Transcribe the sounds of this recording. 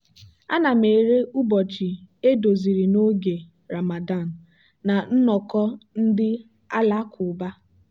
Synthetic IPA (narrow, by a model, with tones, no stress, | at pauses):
a˦na˨me˨ɾe˦u˦bɔ˨t͡ʃi˨e˦do˨zi˨ɾi˨no˦ɡe˨ | ɾa˨ma˨da˦˨n̩˨ | na˨n̩˦nɔ˨kɔ˦n̩˦dɪ˦ | a˦la˦kʰʊ˨ba˦